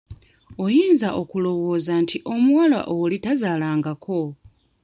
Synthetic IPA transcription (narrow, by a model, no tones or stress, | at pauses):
ojiːnzaʔokulo̞βo̞ːzantʰiʔo̞mwala̰ʔolitazalaːŋɡakʰo̞